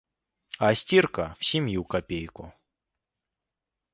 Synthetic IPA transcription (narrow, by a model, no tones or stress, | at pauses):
ɐsʲtʲirkəfsʲɪmʲjukɐpʲejkʊ